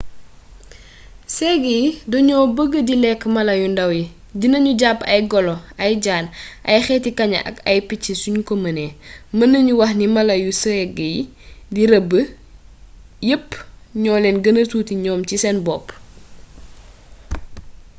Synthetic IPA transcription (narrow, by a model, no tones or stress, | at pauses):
sɛːɡəjidɔɲɔːbəɡədilɛkːmɐlɐjundɐwji | ɟinɐɲuɟapːɐjɡɔlɔɐjɟaːnʔɐjxɛːtikɐɲɐ̰ʔɐ̰kɐjpicːisuɲkɔmɐnɛmɐnɐɲuwɐxnimɐlɐjusəɛɡəji | diɾɐbːə | jəpː | ɲɔːlɛnɡənəsuːtiɲɔːmcisɛnbɔːpː